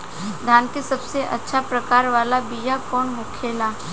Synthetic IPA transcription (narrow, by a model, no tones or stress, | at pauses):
d̪ʱjaːnkesɐbseʔɐ̰tːʃʰapɾɐkaːɾʋaːlabijakɔːnmʊkʰeːlaː